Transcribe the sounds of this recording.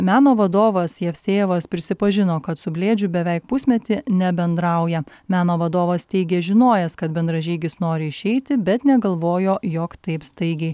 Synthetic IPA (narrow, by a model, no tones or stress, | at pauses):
mʲæːnoːʋɐd̪oːʋɐsjɛfʲsʲeːʋɐspʲɾʲɪsʲɪpɐʒʲɪnoːkɐt̪sʊbʲlʲeːd͡ʒʲʊbʲɛʋʲɛɪk̚pʊsʲmʲɛt̪ʲɪnʲɛbʲɛnd̪ɾɑʊjɛ | mʲæːnoːʋɐd̪oːʋɐst̪ʲɛɪɡʲeːʒʲɪnoːjɛskɐt̪̚bʲɛnd̪ɾɐʒʲiːɡʲɪsnoːɾʲɪɪʃʲɛɪt̪ʲɪbʲɛt̪nʲɛɡɐlˠʋoːjoːjoːkt̪ɐɪpst̪ɐɪɡʲɛɪ